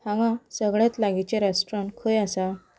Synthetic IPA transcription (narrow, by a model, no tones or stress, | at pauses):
hãʋãsəɡɭjat̪laɡit͡ɕeɾasʈɾaɳkʰəjasa